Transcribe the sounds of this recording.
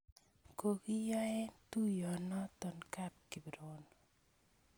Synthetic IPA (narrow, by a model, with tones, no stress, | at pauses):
ko˨ki˦jɔ˦ɛ˦tu˦jɔ˨nɔ˦t̪ɔ˨nka˦p̚ki˨bi˨ɾo˦n